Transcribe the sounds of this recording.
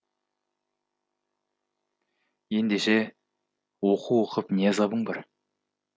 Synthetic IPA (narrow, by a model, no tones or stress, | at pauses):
je̞nd̪eʃe̞ | woquwo̞qəpnezɑbəɴbɑɾ